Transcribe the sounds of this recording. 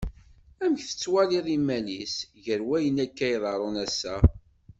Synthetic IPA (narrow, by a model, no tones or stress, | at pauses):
æməçθə̥t͡sːwæliðˤimːælisʝəɾwæjənækːæjðˤɑɾˤonæsːæ